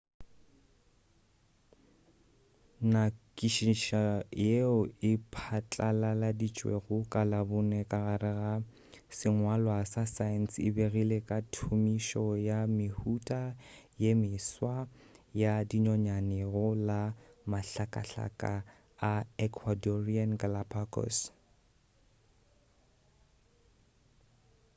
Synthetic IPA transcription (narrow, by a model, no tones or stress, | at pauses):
nakʼiʃiʃajeʊɪpʰat͡ɬʼalaladit͡ʃʼwḛɣʊkʼalabʊnɛkʼaɣarɪɣa | sɪŋwalwasasansɪ̰beɣilekʼatʰumiʃɔjamɪhutʼajemɪswajadiɲɔɲanɪɣʊlamaɬakʼa̰ɬa̰kʼa | aɛkʰwadɔrianɡalapʰakʰʼɔ̰s